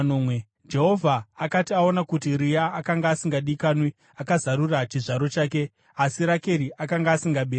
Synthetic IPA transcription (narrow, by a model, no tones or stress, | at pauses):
nomwe | d͡ʒe̞ɦo̞vʱaːkatiao̞nakut̬iɾijaːkaŋɡaːsiŋɡaɗikaːnwi | akazaɾurat͡ʃiʐaɾo̞t͡ʃaːke̞ | asiɾake̞ɾiʔakaŋɡaːsiŋɡaɓeːɾ